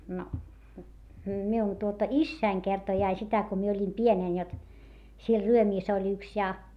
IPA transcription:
no miun tuotɑ isːæiŋ kertoi ɑi sitæ ko mie olʲim pieneˑn jot siel ryømiːs olʲ yks jɑ

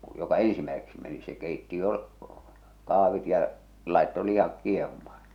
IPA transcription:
jokɑ ẽːsimæeseksi meni se keˑitːi jo kɑˑh̞ʋit jɑ lɑˑe̝tːo lih̞ɑk kieh̞umɑːn̥

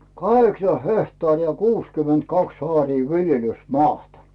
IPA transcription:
kɑheksɑ hehtɑːriˑ jɑ kuːskyment kɑks ɑːriː ʋiljelysmɑːtɑ

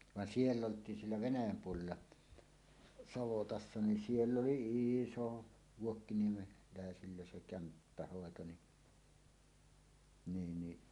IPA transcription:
ʋɑn sielː oltˑiːn sielːæ ʋenæjæm puolelːɑ sɑʋotɑsːɑ nin sielː oli iˑso ʋuokːiniemelæˑesilːæ se kæmpːæhoˑeto ni niːn ni

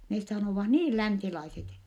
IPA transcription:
nes sɑnoˑʋɑh niːl lænsilɑiset

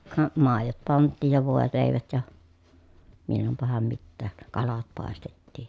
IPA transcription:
kɑ mɑˑejot pɑntːiːj jɑ ʋoˑeleˑi̯ʋæt jɑ milːompɑhɑm mitːæːk kɑlɑt pɑˑestetːiːj

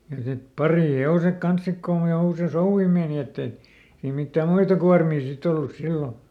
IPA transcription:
jɑ sit pɑriˑheosek kɑns sik kon jo usei souʋːi meːni etːe ei mitːæ muitɑ kuɑrmiː sit olːus silːo

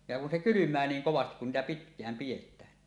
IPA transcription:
jɑ kun se kylymˑæː niːŋ koʋɑstik kun niːtæ pitkˑæːm pij̆etˑæːn

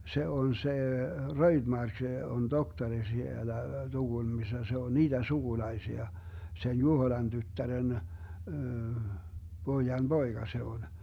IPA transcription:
se on se røid̥mɑrk on doktɑri sielæ tuɡ̊ulmisːɑ se on niːd̥en suɡ̊ulɑisiɑ sen juhoĭlɑn tytːæren b̥oijɑn b̥oiɡ̊ɑ se on

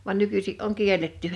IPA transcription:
ʋɑn nykysiʔ ʔoŋ kielˑetːy

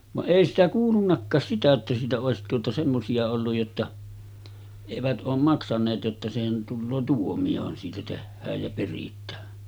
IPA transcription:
ʋɑʔ ʔeˑi sitæ kuːlunːɑkːɑːs sitæ etːæ siːtæ oˑesit tuotɑ semːosiɑ olːuj jotːɑ eʋæt ʔoːm mɑksɑneːt jotːɑ sehæn tulːoː tuomiohɑn siːtæ tehːæːj jæ peritˑæː

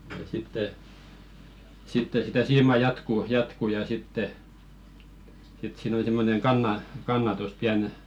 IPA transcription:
jɑ sitːe sitːe sitæ siːmɑˑ jɑtkuˑ jɑtku jɑ sitːe sit siːn ol̆ĭ simːoneŋ kɑnːɑ kɑnːɑtus piæn

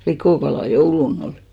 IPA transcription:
likoˑkɑlɑˑ joulun oli̥

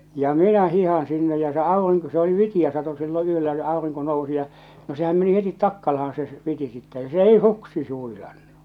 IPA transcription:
jɑ minæ hihɑn sinːe jɑ se ɑeʋɑn niŋ ku se oli ʋitij̆æ sɑto silːo yølːæ jɑ ɑˑoriŋko nousi jɑ no sehæm meni hetit tɑkːɑlɑhɑn se ʋiti sitːɛ jɑ se ei suksi s huilɑnːu

